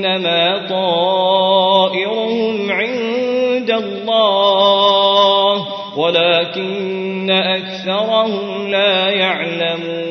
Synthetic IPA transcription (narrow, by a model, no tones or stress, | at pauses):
amaːt̪ˤɑː | ʔɪɾʊhʊmʕɪnd̪alˤːɑː | h | walaːkɪnː | aʔakθɑɾˤɑhʊm | laːjaʕlamuː